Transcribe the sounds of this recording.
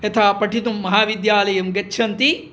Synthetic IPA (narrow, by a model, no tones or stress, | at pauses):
et̪ʰaːpɐʈʰit̪umːɐɦaːʋid̪jaːlɐjɐmɡɐtːʃʰɐnt̪i